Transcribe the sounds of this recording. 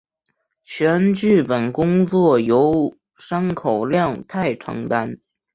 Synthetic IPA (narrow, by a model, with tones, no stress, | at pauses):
t͡ɕʰɥɛ˧˥nt͡ɕy˥˩pə˨˩nkʊ˥ŋt͡swɔ˥˩jo˧˥ʊ | ʂa˥nkʰo˨˩ʊljɑ˥˧ŋt̪ʰa˥˩ɪʈ͡ʂʰɤ̰˧˥ŋt̪a˥n